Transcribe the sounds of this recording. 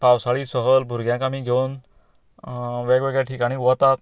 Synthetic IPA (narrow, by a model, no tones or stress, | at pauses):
pawsaɭiːsəɦəlbʱuɾɡjãŋkãmiːɡʱewn | ʋɛɡʋɛɡɭjaʈʰikaɽ̃iʋɔt̪at̪